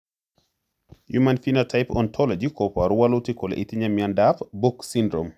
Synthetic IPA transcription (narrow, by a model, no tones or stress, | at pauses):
jumanfinatʰajpɔ̰ntʰɔlɔd͡ʒikɔpaɾuwalutikɔlɛ̰ʔit̪iɲamiandafbuksindɾɔm